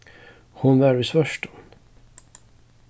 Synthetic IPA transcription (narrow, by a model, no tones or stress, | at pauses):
hʊnvæɾvəsvœʂʈə̥n